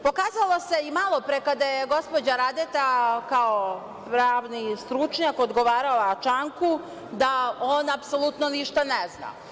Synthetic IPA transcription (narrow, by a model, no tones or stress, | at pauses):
po̞kaːzalˠose̞imalˠo̞pɾekad̪ajeɡo̞spod͡ʑaɾad̪et̪akao | pɾaːʋnist̪ɾut͡ʃɲakod̪ɡo̞ʋaːɾalat͡ʃaŋku | d̪ao̞napso̞lˠut̪noniʃt̪anezna̰